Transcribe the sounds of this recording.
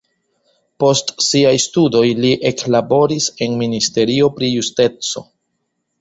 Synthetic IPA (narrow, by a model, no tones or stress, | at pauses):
po̞stsiajstudo̞jliʔe̞klabo̞ɾise̞nministe̞ɾio̞pɾijuste̞t͡so̞̰